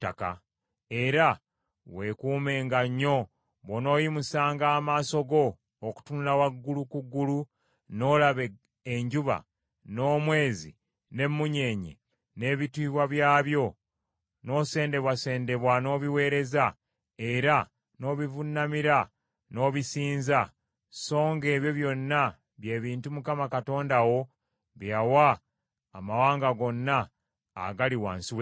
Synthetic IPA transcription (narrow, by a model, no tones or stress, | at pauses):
tːaka̰ | e̞ɾa | we̞kuːmeːŋɡaɲːo̞ | βono̞ːjimusaːŋɡaːmaːso̞ɡo̞ː | ku̥tunulawaɡːulukuɡːulu | no̞ːlaβe | eɲɟuβa̰ | no̞ːmwe̞ːzḭ | ne̞mːuɲe̞ːɲḛ | ne̞ːβitiːβwaβjaːβjo̞ | no̞ːse̞ːnde̞βwase̞ːnde̞βwano̞ːβiwe̞ːɾe̞za | e̞ɾa | no̞ːβivunːamiɾa | no̞ːβisiːnza | so̞ːŋɡe̞ːβjo̞βjo̞nːa | βje̞ːβiːntumukamakato̞ːndawo̞ | βjawaː | mawaːŋɡaɡo̞nːa̰ː | ɡaliwaːnsiwe